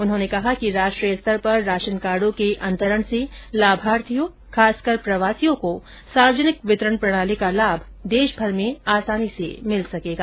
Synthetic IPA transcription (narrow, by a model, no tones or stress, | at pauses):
ʊnɦõnekɐɦakiɾaːʃʈɾijəst̪əɾpɐɾːaːʃənkaːɾɖõkeʔɐ̃nt̪əɾəɽ̃selaːbʱaːɾt̪ʰijõ | kʰaːskɐɾpɾɐʋaːsijõko | saːɾd͡ʒənɪkʋɪt̪ɾəɳ̃pɾɐɽ̃aːlikalaːbʱ | d̪eːʃbʱɐɾmẽaːsaːnisḛmɪlsɐkeːɡaː